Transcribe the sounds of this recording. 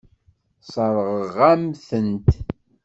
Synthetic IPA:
sˤəɾˤəʁəʁæmθənt̪

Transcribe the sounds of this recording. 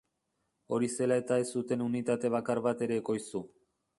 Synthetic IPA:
o̞ɾise̞lae̞t̪ae̞sːut̪e̞nunit̪at̪e̞β̞akarβat̪e̞ɾe̞ːko̞jsu

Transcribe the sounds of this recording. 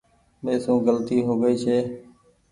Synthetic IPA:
meːsũːɡəlt̪iːɦoːɡəiːt͡ʃʰeː

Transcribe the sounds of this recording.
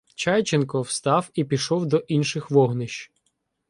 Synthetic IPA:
t͡ʃɑjt͡ʃenkɔwst̪ɑwipʲiʃɔwd̪ɔʔinʃɪxʋɔɦnɪʃ

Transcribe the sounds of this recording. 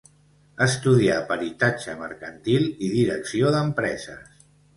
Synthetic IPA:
əst̪uðiapəɾit̪ad͡ʒəmə̰ɾkənt̪ilˠiðiɾəksioðəmpɾɛzəs

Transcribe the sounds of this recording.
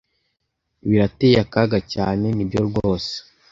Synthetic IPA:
βiɾatejakaɡacaːne̞nibɟoɾɡoːse̥

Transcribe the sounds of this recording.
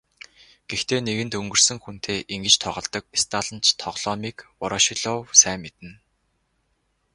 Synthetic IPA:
ɡ̥ext̪ʰeːneɣɘ̆nt̪ɵŋɡɵ̆r̥sɵ̆ŋxun̥t̪ʰeːʔiŋɡɘ̆t͡ɕt̪ʰɔʁɞ̆ɮt̪ɞ̆k̚est̪ʰaːɮə̆nt͡ɕʰt̪ʰɔʁɮ̥ɔːmiːkɔɾɔʃiɮɔːwsæːmːet̪ɘ̆n

